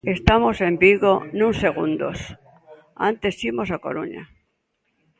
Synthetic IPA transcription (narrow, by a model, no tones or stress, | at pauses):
e̞st̪amose̞mbiɣonũnse̞ɣ̞und̪o̰s | a̰nt̪e̞simo̞sako̞̰ɾṵɲa̰